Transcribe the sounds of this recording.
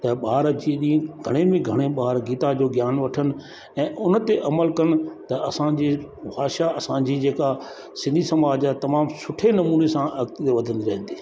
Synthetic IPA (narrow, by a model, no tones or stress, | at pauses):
t̪ɐɓaːɾd͡ʑiːɗĩɡʱɐɽ̃emẽɡʱɐɽ̃eɓaːɾɡiːt̪ad͡ʑoːɡjaːnʋɐʈʰənɪ̆ | ɛ̃ːʔʊnt̪eʔɐməlkɐɽ̃ʊ̆t̪ɐɐsãd͡ʑiːbʱaːʃaɐsãd͡ʑiːd͡ʑeːka | sɪ̃nd̪ʱisɐmaːd͡ʑat̪ɐmaːmsʊʈʰenɐmuːnesãʔɐɡt̪t̪eʋɐd̪ʱə̃nd̪iɾɐɦə̃n̆d̪iː